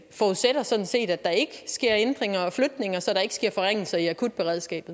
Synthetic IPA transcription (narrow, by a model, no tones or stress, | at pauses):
fɒuðˠseɾ̥ɐsɒ̽d̥n̩se̝̰ːd̥æd̥ɑ̈e̝ɡ̥əsɡ̥e̝ɐ̰end̥ʁeŋɐɒ̽flød̥ne̝ŋɐsɒ̽ɾɑ̈e̝ɡ̥əsɡ̥e̝ɐ̰fɒ̽ʁaŋ̰l̩sɐiækʰud̥̚b̥e̝ʁɛð̞̰ˠsɡ̥ɛ̰ːb̥ð̩ˠ